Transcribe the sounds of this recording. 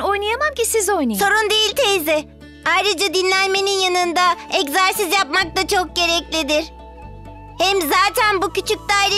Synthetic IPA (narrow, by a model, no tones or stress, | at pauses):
o̞jnajamamcisizo̞jnasso̞ɾund̪ejilʲt̪ʰezɪ | ajɾɯd͡ʒad̪inlʲænme̞ninjanɯnd̪aɛczæɾsizjapmak̚t̪at͡ʃʰok̚ɟe̞ɾɛclʲid̪ɪɾ̥ | hɛmzaːt̪ʰænbucyt͡ʃʰyc̚d̪aːiɾ